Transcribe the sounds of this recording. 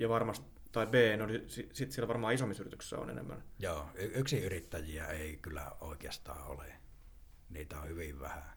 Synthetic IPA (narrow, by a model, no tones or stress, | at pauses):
jɑʋɑrmɑst̪ | t̪ɑibeːnolisisit̪sielʋɑrmɑːisomːisyrit̪y̥kssːæ̰o̰nḛnḛmːæ̰njoːyyksiyrit̪ːæjiæ̰eˑikylːˑæ̰oˑikeɑst̪ɑ̰ːʔʔo̰le | niːt̪æohyʋiʋʋæ̰hæ